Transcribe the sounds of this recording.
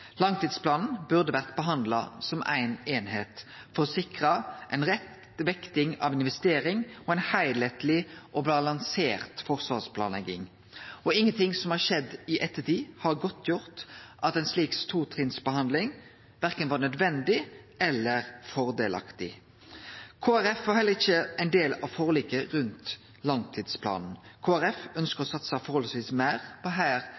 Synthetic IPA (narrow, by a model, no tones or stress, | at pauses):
lɑŋt̪iːd̪splɑːnn̩bʉʁd̪əʋæʁt̪bəɦɑnd̪lɑ̰sɔmʔæ̰ɪneːnheːt̪fɔʁsɪkʁɑʔæɪnʁɛt̪ | ʋɛkt̪ɪŋɑ̰ʋɪnʋɛst̪eːɾɪŋɔæɪnhæɪlet̪lɪʔɔbɑlɑŋseːʁt̪fɔʁsʋɑːʁspʰlɑ̰ːnlɛ̰ɡɪ̰ŋ | ɔɪŋːənt̪ɪŋsɔmhɑʁʃɛd̪ːɪʔɛt̪ːət̪iːhɑʁɡɔt̪ʰːjʊʁt̪ʔɑt̪ɛnsliːkst̪ʰuːt̪ʰɾɪnsbəhɑnd̪lɪŋ | ʋæɾkənʋɑːnœd̪ʋɛnd̪ɪ | ɛlːəɾfɔɾd̪eːlɑ̰kt̪ɪ | kʰoːæɾɛfʋɑɾhɛlːəʁɪçəæɪnd̪eːlɑʋfɔʁliːkəɾʉnt̪ | lɑŋt̪ʰiːd̪spʰlɑ̰ːnn̩kʰoːæɾɛfœnskəɾɔsɑt̪sɑfɔɾhɔlsʋiːsmæɪʁpʰɔɦæːɾ